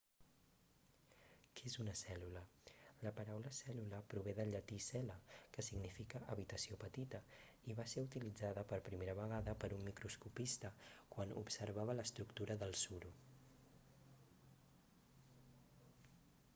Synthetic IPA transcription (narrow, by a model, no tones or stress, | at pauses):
kezunəsɛlulələpəɾawləsɛluləpɾuβeðəʎət̪isɛləkəsiɡnifikəʔəβit̪əsiopət̪it̪ə | iβaseut̪ilid͡zaðəpəɾpɾimeɾəβəɣ̞aðəpəɾumːikɾuskupist̪əkwanṵpsəɾβ̞aβələst̪ɾukt̪uɾəðəlˠsuɾu